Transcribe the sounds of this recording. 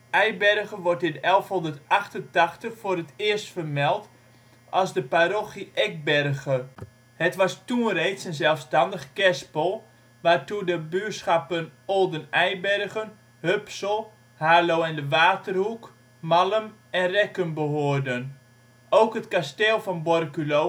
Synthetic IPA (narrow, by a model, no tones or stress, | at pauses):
ʔɛjbɛrɣəʋɔrtɪnɛlˠfɦondətɑxtəntɑxtəχfʊːrətɪərstfərmɛlˠt | ʔɑlˠzdəpaɾoxiʔɛk̚bɛrɣə | hətʋɑstunrejtsənzɛlˠfstɑndəχkɛspəlˠ | ʋaːrtudəbyːsxapənolˠdənɛjbɛrɣən | høpsəlˠ | haːlowɛndəʋaːtərhuk | maləmɛnrɛkəmbəɦoːərdən | owkɦətkasteːlˠfɔnbɔrkylo